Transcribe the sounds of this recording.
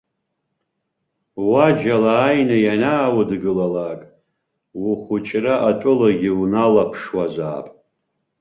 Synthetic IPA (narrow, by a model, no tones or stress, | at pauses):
wad͡ʒalaːjnajanaːwadɡɨlalakʼ | wuχʊt͡ʃʼraʔatʷʼʊlaɡʲiwnalapʰʂwaza̰ːpʼ